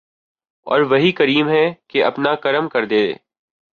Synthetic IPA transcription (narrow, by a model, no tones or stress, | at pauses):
ɔ̰ːɾʋɐɦikɐɾiːmɦɛkeʔɐpnakɐɾəmkɐɾd̪eːd̪ḛː